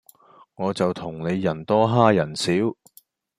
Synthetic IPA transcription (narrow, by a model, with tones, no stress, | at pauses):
ŋɔː˨˧t͡sɐ˨wt̪ʰʊ˨˩ŋne˨˧jːɐ˨˩nt̪ɔː˥ɦaː˥jɐ˨˩nsiː˨˥w